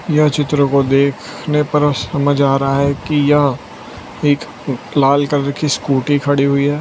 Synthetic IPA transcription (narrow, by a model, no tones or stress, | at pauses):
jɐt͡ʃɪt̪ɾõkod̪eːkʰ | nepɐɾsɐməd͡ʒʱaːɾɐɦaɦɛkijɐɦ | eːk | laːlkɐɾɾɐkʰiskuːʈikʰɐɽiɦʊiɦɛː